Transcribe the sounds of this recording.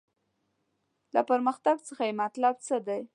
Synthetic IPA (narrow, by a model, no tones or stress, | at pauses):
lapəɾmaxt̪aɡt͡səxajemat̪lab̚t͡səd̪aj